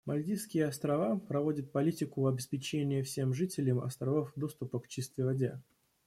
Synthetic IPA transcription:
mɐlʲd̪ʲiskʲɪjəɐst̪ɾɐvapɾɐvo̞dʲət̪̚pɐlʲitʲɪkʊɐbʲɪspʲɪt͡ɕenʲɪjəfsʲe̞mʐɨtʲɪlʲɪmɐ̰st̪ɾɐvofd̪o̞st̪ʊpəkːt͡ɕist̪vʲɪvɐdʲe

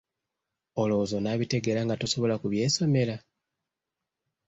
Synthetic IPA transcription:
o̞lozo̞naβite̞ɡe̞ɾaŋɡatoso̞βo̞lakuβje̞ːso̞me̞la

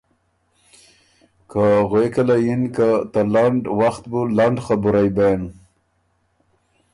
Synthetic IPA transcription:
kaɣwekalajinkat̪alaɳɖwaxt̪̚bulaɳɖχabuɾajben

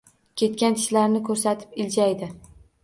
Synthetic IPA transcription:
kʲʰe̞t̪kʲant̪ʰɪ̥ʃlaɾnɪkʰɵɾsat̪ʰɪ̥pɪld͡ʒajd̪ɪ

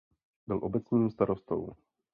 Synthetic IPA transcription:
bɪlʔobɛt͡sɲiːmst̪aɾost̪o̰w

